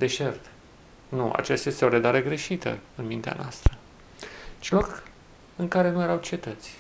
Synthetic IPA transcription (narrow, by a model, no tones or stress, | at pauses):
d̪e̞ʃe̞rt̪ | nuʔa̰t͡ʃest̪aje̞st̪eo̞ɾed̪aɾeɡɾe̞ʃit̪ə̰ɨnmint̪ea̰noast̪ɾə | t͡ʃilo̞k | ɨŋkaɾe̞nujeɾawt͡ʃie̞t̪ət̪sʲ